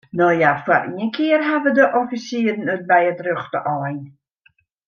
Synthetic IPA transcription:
nəjafwaɾiəkʰiːrɦavədəʔɔfisiːdnəd̚bajədrʏχdə̰ʔɔjn

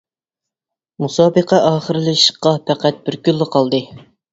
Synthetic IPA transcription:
musɑːbəqʰæʔɑːχəɾɨlɨʃə̥qːɑpʰæqæt̪̚bɪɾkʲylːɪqʰɑlˠd̪ɨ

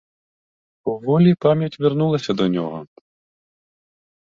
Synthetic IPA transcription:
uvɔlʲipamʲjɐt͡sʲvʲɛrnulˠɐsʲɐd̪ɐnʲɔ̰ɣɔ̰

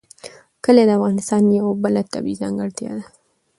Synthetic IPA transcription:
kəled̪əafɣɑnɪst̪ɑnjawbəlat̪a̰bḭzɑ̰ŋɡəɾt̪jɑ̰d̪a

